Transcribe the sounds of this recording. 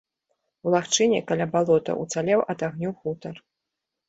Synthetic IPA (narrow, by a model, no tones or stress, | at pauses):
wlˠaxt͡ʂɨnʲɛkalʲabalˠɔt̪ɐ̰ʔut̪salʲɛwʔɐd̪aɣnʲuxut̪ɐr